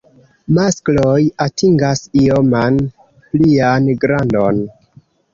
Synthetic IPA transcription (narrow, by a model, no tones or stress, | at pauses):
masklojatʰiŋɡasioman | plianɡɾandon